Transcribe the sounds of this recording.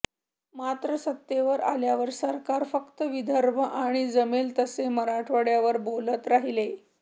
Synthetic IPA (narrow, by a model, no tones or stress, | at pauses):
mat̪ɾəsət̪ːjeʋəɾaljaʋəɾsəɾkaɾfəkt̪əʋid̪ʱəɾmʱəʔaɽ̃id͡zəmelt̪əseməɾaʈʰʋəɽjaʋəɾbolət̪ɾaɦile